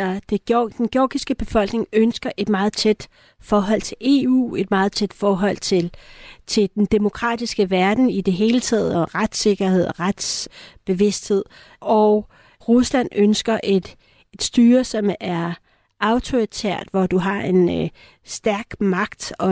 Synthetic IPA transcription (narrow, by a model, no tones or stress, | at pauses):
d̥e̝ɡ̥jd̥enɡ̥jɔːɡ̥isɡ̥əb̥e̝fɒ̽l̰ɡ̥ne̝ŋønsɡ̥ɐʔe̝d̥mɑ̈ːð̞̩ˠt͡sʰed̥ | fɒːɦɒ̽l̰t͡sʰe̝le̝ṵːe̝d̥mɑ̈ːð̞̩ˠt͡sʰed̥fɒːɦɒ̽l̰t͡sʰelt͡sʰe̝ld̥end̥e̝mo̝kʰʁɑ̰̈d̥isɡ̥əʋæɐd̥n̩id̥e̝ɦe̝ːlət͡sʰɛ̰ːð̞̩ˠɒ̽ʁad̥se̝ɡ̥ɐhe̝ð̞̰ˠɒʁad̥sb̥e̝ʋe̝sd̥he̝ð̞̰ˠ | ɒʊ | ʁuslænønsɡ̥ɐʔed̥ | ed̥sd̥yːɐsɒ̽mæɐ | ʔɑ̈ʊt͡sʰo̝it͡sʰḛɐ̰d̥ʋɒd̥uɦɑ̈ʔe̝n | sd̥æɐɡ̥mɑ̈ɡ̥d̥ɒ̽